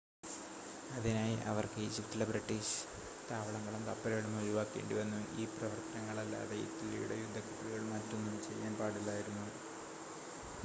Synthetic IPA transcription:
ɐðinaːjiʔɐ̰ʋɐrkɨid͡ʑifʈːilɐbrɐʈːiːɕɨ̥ | t̪aːʋɐɭɐŋːɐɭɐmt̪ɐpːɐɾɐɣɐɭumuɾuʋaːkːe̞̰ːɳɖuʋɐnːuiːprɐʋɐrt̪ɐnɐŋːɐɭɐlːa̰ːðeijḭt̪ːilːḭjṵɽejud̪ʱːɐkut̪ːriɣɐɭmɐtːo̞nːumt͡ɕe̞jːaːnpaːɽilːaːjiɾunːu

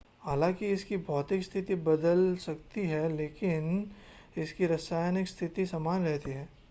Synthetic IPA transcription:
haːlãːkiɪskibʱɔːt̪ɪkst̪ʰɪt̪ibɐd̪əlsɐkt̪iɦɛleːkɪn | ɪskiɾɐsaːjnɪkst̪ʰɪt̪isɐmaːnɾɛɦt̪iɦɛː

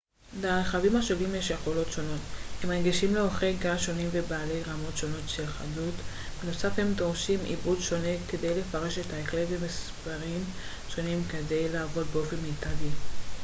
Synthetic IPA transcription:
baleχavimaʃo̞limjeʃje̞χo̞lo̞tʃo̞no̞themeʁɡiʃimleo̞χejkamaʃo̞nimvebaːle̞jʁamo̞tʃo̞no̞tʃe̞lχa̰dut | beno̞safhe̞mdoʁʃimḭbʁudʃo̞neke̞de̞jle̞faʁe̞ʃe̞taeklevemispaʁim | ʃo̞nimkede̞jlaːvo̞d̚beo̞fe̞nmetali

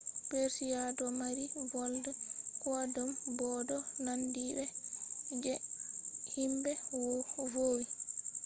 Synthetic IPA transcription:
peɾsijadɔmaɾivɔldɛkɔdɔmbɔdɔnandibɛ | d͡ʒɛ | himbɛwɔvoːwi

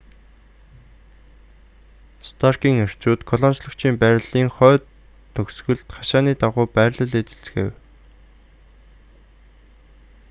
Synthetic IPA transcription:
st̪ʰarkiːŋer̥t͡ɕuːt̪kʰɔɮɔnt͡ɕɮɞ̆kt͡ɕʰiːmpæːɾʲɮiːŋχœː | ɵksɣɘ̆ɮt̪χaʃaːniːt̪aʁʊːpæːrɮə̆ɮeːt͡se̥ɬt͡s̆xḛw

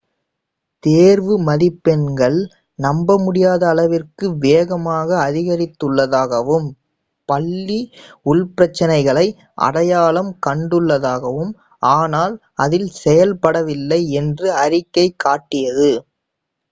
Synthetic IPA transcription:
t̪eːɾʋɯmɐðɪpːɛnɡɐɭ | nɐmbɐmʊɽɪjaːðɐːlɐʋɪrkɯʋeːɣɐmaːɣɐːðɪɣɐɾɪt̪ːɯɭːɐðaːɣɐʋɯm | pɐɭːiʊɭpɪɾɐt͡ʃːɐnɐɪɣɐɭɐɪ | ʔɐ̰ɽɐjaːlɐmkɐɳɖɯɭːɐðaːɣɐʋɯm | ʔaːnaːl | ɐðɪlsɛjɐlpɐɽɐʋɪlːɐɪɛndrɯɐɾɪkːɐɪkːaːʈːɪjɐðɯ

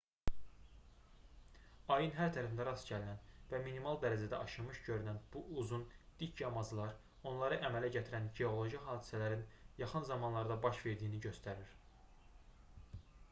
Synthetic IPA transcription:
ɑjɯnɦæɾt̪ʰæɾæfnɑɾɑsɟælinænvæminimɑlˠd̪æɾæzæd̪æʔɑʃɯmɯʃɟø̞ɾynænb̥uʔuzund̪̥icʰjɑmɑzɯlˠɑɾ | o̞nlˠɑɾɯʔæmælæɟæt̪ʰiɾænɟeo̞lˠo̞ʒiɦɑːd̪isælæɾinjɑχɯnzɑmɑnlˠɑɾd̪ɑbɑʃve̞ɾd̪ijiniɟø̞st̪æɾiɾ̥

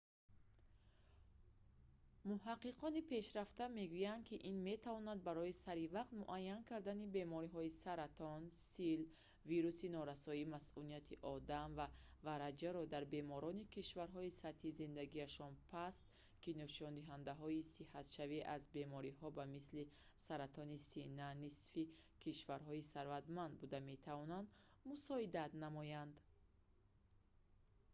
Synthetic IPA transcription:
muɦaqːiqʰɔnipʰe̞ʃɾaft̪ame̞ɡujand̪̚kʰiʔinme̞t̪ʰavɔnand̪̚baɾɔisaɾivaqt̪muʔajːankʰaɾd̪anibe̞mɔɾiɦɔisaɾat̪ʰɔnsil | viɾusinɔɾasɔimasʔunijat̪ʰiʔɔd̪amva | vaɾad͡ʒaɾɔd̪aɾbe̞mɔɾɔnikiʃvaɾɦɔisat̪hizind̪aɡiaʃɔnpʰast̪̚ | kinɔʃɔnd̪iɦand̪aɦɔisihat̪ʃaviʔazbe̞mɔɾiɦɔbamisli | saɾat̪ʰɔnisinːanisfikʰiʃvaɾɦɔisaɾvat̪mand̪bud̪ame̞t̪ʰavɔnand̪musɔid̪at̪namɔjand̪

